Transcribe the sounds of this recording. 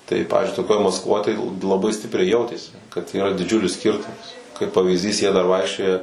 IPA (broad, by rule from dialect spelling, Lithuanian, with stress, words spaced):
tɐɪ ˈpɑːʋʲiːzʲd͡ʒʲʊɪ toːˈkʲoːj mɐskˈʋoːj tɐɪ lˠɐˈbɐɪ ˈsʲtʲɪpʲrʲɛɪ ˈjɛʊtʲeːsʲɪ kɐt iːˈrɐ dʲɪˈd͡ʒʲʊlʲɪs ˈsʲkʲɪrtʊmɐs kɐɪp pɐʋʲiːzʲˈdʲiːs jiɛ dɐr ˈʋɐɪkʃʲt͡ʃʲoːjɛ